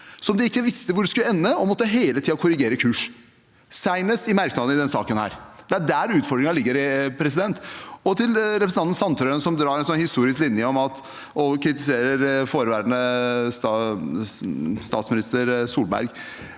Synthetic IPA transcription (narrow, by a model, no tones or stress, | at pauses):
sɔmd̪ɪɪkːəʋɪst̪əʋʊɖskʉlːəɛnːəɔmɔt̪ːəɦeːlət̪ʰiːɑkʰʊɾɪɡeːɾəkʰʉːʂ | sæɪnəst̪ɪmæɾknɑd̪n̩ɪd̪ɛnsɑ̰ːkənhæ̰ːɾd̪̥ɛæɖæɾʉːt̪fɔɾɖɾɪŋɑlɪɡːəɾɪpʰɾɛsɪd̪ɛnt̪ɔt̪ʰɪlɾɛpɾəsnɑnn̩sʰɑnt̪ʰɾœənsɔmd̪ɾɑːɾɛnsɔnhɪst̪uːɾɪsklɪnjəɔmɑt̪ | ɔkʰɾɪt̪ɪseːɾəɾfoːɾəʋæɾnəs | st̪ɑːt̪smɪnɪst̪əɾsuːlbæ̰ɾɡ